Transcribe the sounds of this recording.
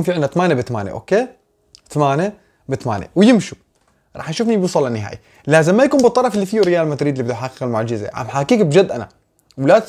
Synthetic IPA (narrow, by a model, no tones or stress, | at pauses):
nfiʕɪnːat̪amaːnabɪt̪amaːnḛʔo̰ːkeː | t̪amaːne | bɪt̪ama̰ːnḛwjɪmʃu | ɾˤɑ̰ːħjaʃufnibusˤɑlːanːɪɦa̰ːji | laːzɪmːajakuːnmbɨt̪ˤːɑɾˤɑfɪlːifiːuɾɪjaːlmat̪ɾiːd̪libɪd̪uħaqːqalmʊʕd͡ʒɪzḛʕa̰mħakiːkbd͡ʒad̪ːʔana̰ | wlat̪